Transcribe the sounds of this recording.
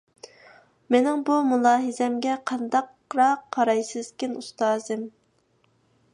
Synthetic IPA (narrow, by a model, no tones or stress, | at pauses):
mɪnɪŋbumulˠɑːɦɨzɛmɡʲɛqʰɑnd̪ɑq | ɾɑqʰːɑɾɑjsɨzkʲɪnust̪ɑːzɨm